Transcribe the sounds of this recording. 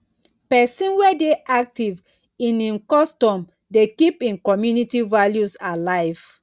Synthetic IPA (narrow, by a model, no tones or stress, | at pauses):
pɛsĩnwɛdeʔak̚tiv | ĩnĩnkɔstɔ̃m | dekipĩnkɔmjunitivaljusalaɪv̥